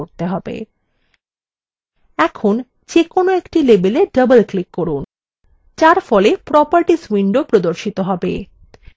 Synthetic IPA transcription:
oɾt̪eɦɔbḛ | ɛkʰon | d͡ʑekonoekʈilebeleɖəbəlklikːɔɾun | t͡ɕaɾfɔlepɾɔpaɾʈiswiɳɖopɾod̪oɾʃit̪oɦɔbḛ

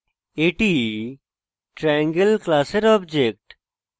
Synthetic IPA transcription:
eʈi | ʈɾɛ̃ːŋɡelklaːseɾɔːbd͡ʒek̚ʈ

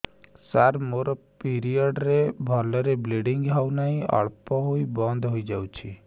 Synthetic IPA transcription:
saɾmoɾɔ | piɾijəɖɾebʱɔlɔɾebleɖɪŋɡɦaunaɦĩʔə̰ɭpɔɦoibɔ̃nd̪ʱɦoid͡ʒawt͡ʃʰi

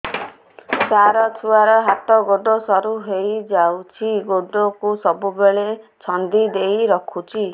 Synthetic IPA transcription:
t͡ʃaɾɔtʰuaɾɔɦat̪ɔɡoɖosɔɾuɦejd͡ʒawt͡ʃʰiɡoɖokusɔbubeɭet͡ʃʰɔnd̪id̪ejɾɔkʰut͡ʃʰi

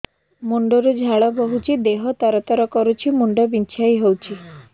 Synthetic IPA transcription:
muɳɖoɾud͡ʒʱaɭɔbɔɦut͡ʃʰid̪eɦɔt̪ɔɾɔt̪ɔɾɔkɔɾut͡ʃʰimuɳɖɔbint͡ʃʰajɦowt͡ʃʰi

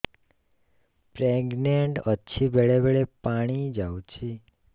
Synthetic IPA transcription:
pɾeɡneɳʈətːʃʰibeɭebeɭepaɽ̃id͡ʒawut͡ʃʰi

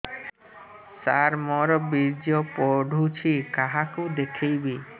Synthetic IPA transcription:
saɾmɔɾɔbiɾd͡ʒjɔpɔɖʱut͡ʃʰikaɦakud̪ekʰejbi

